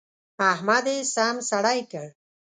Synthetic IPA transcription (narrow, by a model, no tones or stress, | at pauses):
aɦmad̪esaːmsaɽajkəɽ